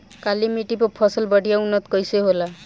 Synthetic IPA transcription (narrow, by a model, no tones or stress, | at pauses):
kalimiʈipɔpʰɔsɔlbɔɖʱijaunːɔt̪kɔjseɦola